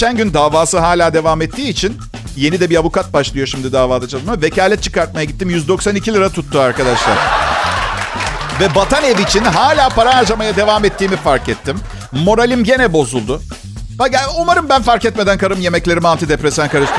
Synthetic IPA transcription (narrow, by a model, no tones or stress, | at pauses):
eænɟynd̪aːvaːsɯɦaːlʲaːd̪e̞vaːmɛt̪ʰːiːt͡ʃʰin | je̞nid̪ɛbiavukat̪̚baʃlˠɯjo̞ʃimd̪id̪aːvaːd̪at͡ʃʰalˠmave̞caːlʲɛt̪̚t͡ʃʰɯ̥kaɾt̪̚majaɟit̪ːimjyzd̪o̞ksanicʰilʲiɾat̪ʰut̪ːuaɾkad̪aʃlˠa̰ɾa | vɛbat̪ʰaneviːt͡ʃʰinɦaːlʲaːpʰaɾaaɾd͡ʒamajad̪e̞vaːmɛt̪ʰːiːmifaɾkɛt̪ʰːim | mo̞ɾalʲimɟe̞nɛbo̞zulˠd̪ʊ | baaumaɾɯmbænfaɾcɛt̪̚me̞d̪ænkʰaɾɯmje̞mɛclʲe̞ɾimant̪id̪epɾesænkaɾɯst̪